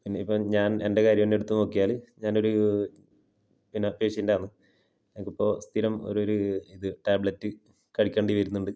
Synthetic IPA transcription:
pinːeipːoːɲaːne̞nde̞kaːɾjɐminːe̞ɽut̪ːuno̞ːkːijaːlɨɲaːno̞ɾu | pinːɐpeːʂindaːɳɨ | emkːipːo̞ːst̪ʰiɾɐmo̞̰ɾo̞ɾuiðɨʈaːbɭɐtːɨ | kɐɽikʲːeːɳɖiʋɐjɾunːuɳɖɨ

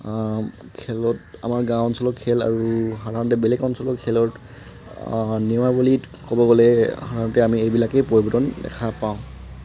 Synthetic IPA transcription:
kʰɛlɔta̰maɹɡãwnsɔlɔkʰːɛla̰ɹuxadʱaɹɔntɛbelɛkɔnsɔlɔkʰɛlɔt | niɔmabuli | kobɔɡɔlɛxadʱaɹɔntɛamiejbilakejpoɹibɔdɔndɛ̰kʰapaʊ̃

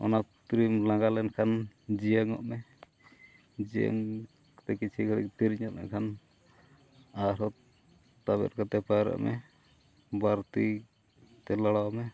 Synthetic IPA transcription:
ɔ̰nap̚t̪ɾimlãɡalɛnkʰand͡ʒiəŋɔ̰ʔmɛ | d͡ʒijə̰ŋ | kt̪ɛkit͡ʃʰikʰəɽḭk̚t̪iɾiɲɔt̪̚mɛ̰kʰan | aɾɔ | t̪aβɛ̰ɾkat̪ɛpaɾa̰ʔmɛ̰ | baɾt̪i | t̪ɛlaɽawmɛ

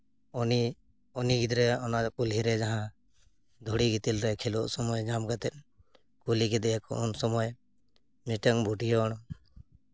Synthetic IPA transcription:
ɔni | ɔniɡid̪ɾɛɔnakulɦiɾɛd͡ʒaɦã | d̪ʱuɽiɡit̪ilɾɛkʰilɔʔsɔmɔjd͡ʒamɡat̪ɛt̪̚ | kuliɡid̪ɛjakɔ̰ʔunsɔmɔj | miʈəŋbʱuʈijɔɽ̃

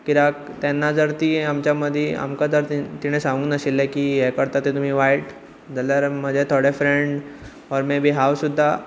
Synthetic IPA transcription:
kiɾak | t̪ɛnːad͡zəɾt̪iamt͡ɕjaməd̪ʱjea̰mkad͡zəɾt̪it̪iɽ̃esãŋɡuːnəɕilːekiɦɛkəɾt̪at̪et̪um̤iːʋajʈ | d͡zəlaɾm̤əd͡ʑʱet̪ʰoɽefɾeɳɖ | ɔɾmɛbʱiːɦawsud̪ʱːa

